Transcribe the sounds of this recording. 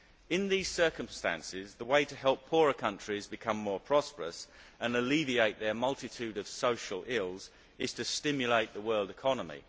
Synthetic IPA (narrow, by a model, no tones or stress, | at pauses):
ɪ̃nðiːz̥sɜˑ˞kə̃mstæ̰̃nsɪzðəweɪtəɦɛlˠpʰːɔːɹəkʰʌ̃nt͡ʃɹ̥izbɨkʰʌ̃mːɔːpʰɹ̥ɑspə˞ə̰sə̃nəlivieɪʔ̪̚ðə˞mʌlˠtɪtʰʉːɾəv̥soʊʃəlˠɪlˠz | ɪz̥tʰɨstɪ̃mjəleɪʔ̪̚ðəwɜːlˠdɪkʰɒnəmḭ